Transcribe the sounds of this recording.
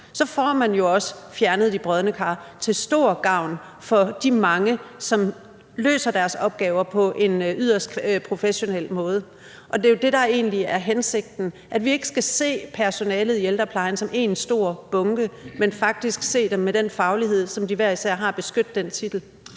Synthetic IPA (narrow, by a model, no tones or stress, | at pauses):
sɒ̽fɒmænjo̝ɒ̽sə̥fjæɐnəð̩ˠib̥ʁœð̞ˠnəkʰɑ̈ːt͡sʰe̝lsd̥o̝̰ːɐ̰ɡ̥ɑ̈ʊ̰n | fɒ̽d̥imɑ̈ŋəsɒ̽m | lø̰ːsɐd̥æɐsɒ̽b̥̚ɡ̥ɛːʊɐpʰɒ̽ʔe̝nyð̰ˠɐsd̥pʰʁo̝feɕo̝nel̰mɔ̽ːð̞̩ˠə | ʔɒ̽d̥e̝jo̝d̥e̝ɾɑ̈e̝̰ːnliæɐɦense̝ɡ̥̚d̥n̩ʔæd̥ʋie̝ɡ̥əsɡ̥æse̝̰ːpʰæɐso̝nɛːləð̞̩ˠield̥ɐpʰlɑ̈ɪn̩sɒ̽mʔe̝̰ːnsd̥o̝ɐ̰b̥ɔ̽ŋɡ̥əmenfɑ̈ɡ̥̚d̥isɡ̥se̝̰ːd̥emːed̥enfɑ̈ʊliɦe̝ð̞̰ˠsɒ̽md̥iʋæɐ̰isæɐ̰ɦɑ̈b̥e̝sɡ̥ød̥ːent͡sʰid̥l̩